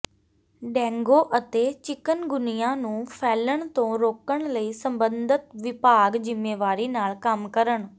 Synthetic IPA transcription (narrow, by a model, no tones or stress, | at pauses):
ɖɛ̃ːŋɡoːʔət̪eːt͡ʃɪkənɡʊnɪjãːnũːpʰɛːləɳt̪õːɾoːkəɳ̃ləiːsəmbənd̪ət̪ʋɪpaːɡzɪmːeːʋaːɾiːnaːlkəmkəɾəɳ